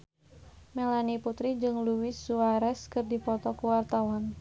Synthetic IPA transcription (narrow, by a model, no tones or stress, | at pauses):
melaniput̪ɾid͡ʒɨŋluwɪsːuaɾɛskɨrdipɔt̪ɔkuwart̪awan